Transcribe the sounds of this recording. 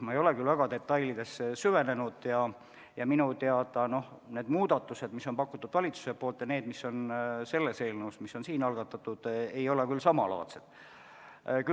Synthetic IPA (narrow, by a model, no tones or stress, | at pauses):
mɑejo̞lekylvæɡ̥ɑd̪e̞t̪ːˑɑjlid̪e̞sːyve̞ne̞nud̪̥jɑ | jɑminut̪eɑd̪ɑno̞h | ne̞ːd̪muːd̪̥ɑt̪ːˑuse̞d̪miso̞npɑkːut̪ːˑud̪̥vɑlʲit̪su̥se̞pˑoːlt̪jɑneːd̪miso̞nse̞lːese̞ːlneusmisːo̞nsiːnɑlɡ̥ɑt̪ːˑɑt̪ːˑud̪̥ejo̞lekylsɑmɑlɑ̰ːt̪sed̪̥ | ky